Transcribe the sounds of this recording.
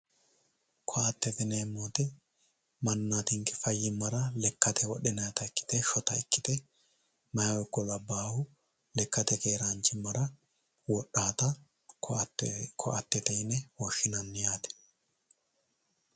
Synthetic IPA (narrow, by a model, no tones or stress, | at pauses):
kʰɔɐt̪ːɛt̪ɪnɛmːoːt̪ɛ | mɐnːaːt̪ɪŋkɛ̥fɐjːɪmːɐɾɐlɛkːɐt̪ʰɛwɔɗɛnɐjt̪ɐɪkːɪ̥t̪ɛʃɔt̪ɐɛkːɪ̥t̪ɛ | mɐjawɔkːɔlɐbaːhʊ | lɛkːɐt̪ɛkeːɾaːnt͡ʃːɪmːɐɾɐ | wɔɗːaːt̪ɐ | kʰɔ̰ʔɐt̪ːɛt̪ɛjnɛwɔʃːɪnɐnːɪjaːt̪ɛ̥